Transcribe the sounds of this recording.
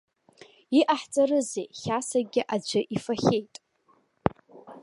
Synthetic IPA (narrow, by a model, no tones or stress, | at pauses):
iʔaħt͡sʼaɾɨzḛjχʲasaɡʲɪʔad͡ʒʷɨʔifaχʲejtʼ